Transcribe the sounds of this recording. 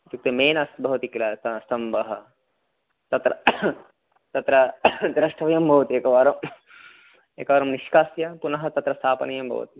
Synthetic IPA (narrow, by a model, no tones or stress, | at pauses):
t̪uk̚t̪ɐmeːnɐsbʱɐʋɐt̪iklɐːt̪ɐsɐmbɐɦɐ | t̪ɐt̪ɾɐ̰ | t̪ɐt̪ɾɐd̪ɾɐʂʈʰɐʋɐjɐmbʱɐʋɐt̪ieːkɐʋaːɾɐm | eːkɐʋaːɾɐmniʃkaːsjɐpunɐɦɐt̪ɐt̪ɾɐst̪ʰaːpɐnɐjɐmbʱɐ̰ʋɐ̰t̪i